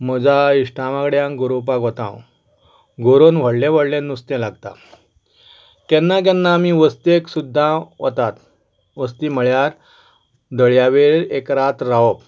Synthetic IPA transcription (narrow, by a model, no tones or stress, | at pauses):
məd͡ʑaiʂʈaʋakɽjãŋɡoɾopakɦɔt̪ã̰w | ɡoɾonʋ̤əɽlẽʋ̤əɽlẽnːust̪ɛ̃laɡt̪a̰ | kɛnːak̬ɛ̃nːaːmiʋəst̪eksud̪ʱːãʋə̰t̪at̪ | ʋəst̪iːm̤əɭjaɾ | d̪əɭjaʋeɾekɾat̪ɾaɔp̚